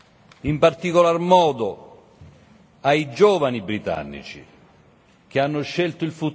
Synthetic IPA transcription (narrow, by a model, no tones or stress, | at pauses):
impart̪ikolarmɔːd̪o | ajd͡ʒɔːvanibɾit̪a̰nːḭt͡ʃḭ | k̟eanːʊʃːɛlt̪ʊilfut̪